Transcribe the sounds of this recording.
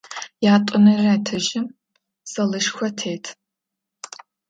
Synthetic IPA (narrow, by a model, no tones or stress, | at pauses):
jaːtʷʼʊnɐraːtʰɐʒɪm | sɐlɨʃxʷɔtʰeːtʰ